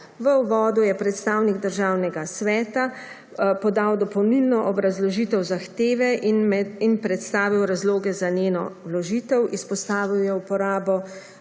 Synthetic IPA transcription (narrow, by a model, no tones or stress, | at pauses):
ʋəuʋɔːd̪ujɛpɾɛt̪st̪aːwniɡd̪əɾʒaːwnɛɡasʋɛːt̪a | pɔd̪awd̪ɔpɔwnilnɔʔɔbɾazlɔʒiːt̪ɛwzaxt̪eːʋɛ | inpɾɛt̪st̪aːʋiwɾazloːɡɛzanjeːnɔ̰wlɔʒit̪ɛwispɔst̪aːʋiwjɛupɔɾaːbɔ